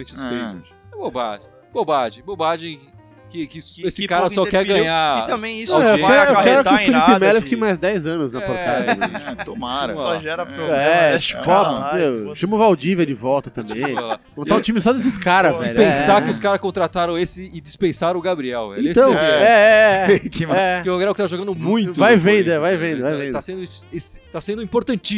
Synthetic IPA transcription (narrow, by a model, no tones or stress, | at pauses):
mẽt͡ʃʊsfejt̪ | ɛboba̰ʒẽ | bobaʒẽj̃bobaʒẽj̃ | kɪkɪesɪkaɾɐsɔkɛɾɡɐ̃ɲait̪ɐ̃mbẽj̃ĩw̃ewɛɾewkɛɾʊɪʊfilippɪmɛlefikejmajzd̪ɛjzɐ̃nʊznɐpoɾt̪adɐ̃t̪omaɾɐɔʒɛɾɐpoɛʃikɔpmewʃɐ̃mʊvawd͡ʒivɐd͡ʒɪvɔwt̪ɐt̪ɐ̃mbḛ̃j̃ala | mɐ̃t̪ãũt͡ʃĩmɪsɔd̪es̬ɪskaɾɐzvɛʎpẽsaɾkɪʊskaɾɐskõnt̪ɾat̪aɾɐ̃w̃esɪɪd͡ʒispẽsaɾɐ̃ʊɡabɾiɛwɛ̰ẽet̪ɐ̃w̃ɛɛkɛɪoɡɾɛwkɪt̪aʒoɡɐ̃nd̪ʊmũj̪̃ʊvajvẽd̪ʊɛvajvẽd̪ʊvajvẽd̪asẽnd̪ʊisest̪asẽnd̪ʊĩpoɾt̪ɐ̃nt͡ʃi